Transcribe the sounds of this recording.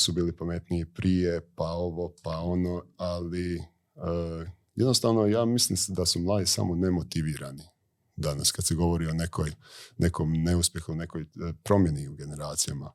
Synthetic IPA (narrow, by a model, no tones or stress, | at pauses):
subiːlipame̞t̪niːpɾʔije̞pao̞ʋo̞pao̞noali | əː | jed̪nost̪aʋno̞jaːmislˠimsed̪asumlˠaːd̪isa̰mone̞mot̪iʋiːɾani | d̪ana̰skad̪seɡo̞ʋo̞ɾionekʰojnʔe̞kʰomne̞uspʲje̞xune̞kojpɾo̞mje̞niuɡe̞ne̞ɾaːt̪sija̰ma